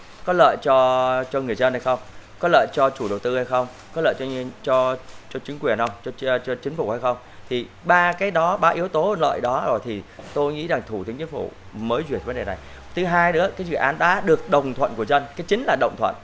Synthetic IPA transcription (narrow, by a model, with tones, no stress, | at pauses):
kɔ˨˦lə̰ː˧˨jt͡ɕɔ˧t͡ɕɔ˧ŋɨ˨˩əjzə˧nha˧jxə˧wŋ͡mkɔ˨˦lə̰ː˧˨jt͡ɕɔ˧t͡ɕu˧˩ɗə˨˩wt̪ɨ˧ha˧jxə˧wŋ͡m | kɔ˨˦lə̰ː˧˨jt͡ɕɔ˧t͡ɕɔ˧t͡ɕɔ˧t͡ɕï˨˦ŋkwi˨˩ənhə˧wŋ͡mt͡ɕɔ˧t͡ɕɔ˧t͡ɕï˨˦ŋ̟fu˧˩ha˧jxə˧wŋ͡mt̪ʰi˨˩ɓaː˧kaː˨˦jɗɔ˨˦ɓaː˧ʔi˨˦əwt̪o˨˦lə̰ː˧˨jɗɔ˨˦zo˨˩jt̪ʰi˨˩t̪o˧jŋḭ˧˥za˨˩ŋt̪ʰu˧˩t̪ʰɨ˨˦ŋt͡ɕŋ̟fṵ˧˩ | məː˨˦jzwi˨˩t̚və˨˦nɗe˨˩na˨˩j | t̪ʰɨ˨˦ɦaː˧jɗɨ̰˧˥əkaː˨˦jzɨ̰˧˨ʔaː˨˦nɗa̰ː˧˥ɗɨ˨˩ək̚ɗə˨˩wŋ͡mt̪ʰwə̰˧˨nku˧˩əzə˧nkaː˨˦jt͡ɕï˨˦ŋ̟laː˨˩ɗə̰˧˨ŋ͡mt̪ʰwə̰˧˨nʔ